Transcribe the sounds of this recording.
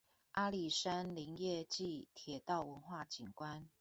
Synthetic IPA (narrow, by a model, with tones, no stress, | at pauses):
ʔa˥li˨˩ʂa˦nli˧˥ŋjɛ˥˧t͡ɕi˥˨t̪ʰjɛ˨˦t̪ɑ˥˨ʊwə˧˦nxwa˥˨t͡ɕi˨˩ŋkwa˦n